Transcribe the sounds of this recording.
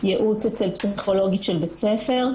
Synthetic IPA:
jeʔut͡set͡selpsiχo̞lo̞ɡitʃelbet͡sefe̞ʁ

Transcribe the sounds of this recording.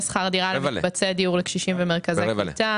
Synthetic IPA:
sχaʁd̪iʁalbat͡sed̪iuʁlekʃiʃimvemeʁkazekita

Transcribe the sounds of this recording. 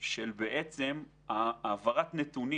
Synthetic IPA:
ʃelbeʔet͡sem | aːvaʁat̪net̪uni

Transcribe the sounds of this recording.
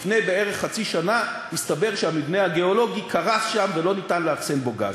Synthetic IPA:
fne̞jbeeʁeχχat͡siʃana | ist̪abe̞ʁʃehamibnehaɡeo̞lo̞ɡikʰaʁasʃamvelo̞nitanleafsenboɡa̰z

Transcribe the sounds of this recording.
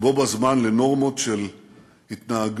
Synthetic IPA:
bo̞bazmanle̞no̞ʁmo̞tʃel | hit̪naaɡ

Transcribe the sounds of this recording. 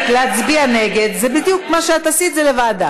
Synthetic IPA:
leat͡sbiane̞ɡe̞d̪zebid̪jukmaʃeat̪asit̪zelevaːd̪a

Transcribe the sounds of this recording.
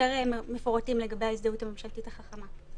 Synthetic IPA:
eʁemefoʁatimleɡabejaisdeutame̞mʃaltitaχaχama

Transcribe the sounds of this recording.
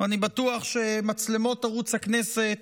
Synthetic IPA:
anibatuaχʃemat͡slemo̞taʁut͡shakneset̪

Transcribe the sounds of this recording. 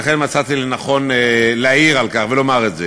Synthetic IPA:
aχenmat͡sat̪ilenaχo̞nelaiʁalkaχvelo̞maʁetze

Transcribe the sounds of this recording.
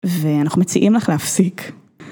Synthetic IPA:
veanaχumet͡siʔimlaχleafsik

